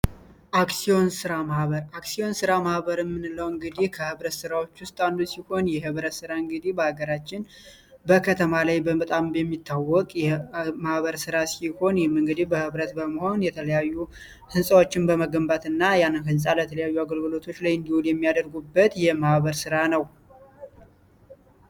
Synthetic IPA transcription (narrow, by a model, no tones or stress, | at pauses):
ʔaksijo̞nsɨɾamahβəɾaksio̞nsɨɾamahβəɾjɛmːɨnɨləwɨŋɡɨd̪ikʰəhɨβɾət̪sɨɾawot͡ʃːwʊst̪ʼand̪usiho̞njɛhɨβɾət̪sɨɾaɨŋɡɨd̪ibəhaɡəɾat͡ʃːɪn | bəkʰət̪ʰəmalajbəmət̪ʼambɛmːit̪ːawːɔkʼjɛmahβəɾsɨɾasiho̞njɪmːɨŋɡɨd̪ibəhɨβɾət̪bəməho̞njɛt̪ʰələjajːu | hɨnsʼawo̞t͡ʃːɪnbəməɡəmbat̪ɨnːajanːɨnɦɨnsʼalət̪ʰələjajːuaɡəlɡɨlo̞t̪ʰo̞t͡ʃːlajɨnd̪ihuljɛmːijad̪əɾɡubːət̪jɛmahβəɾsɨɾanəw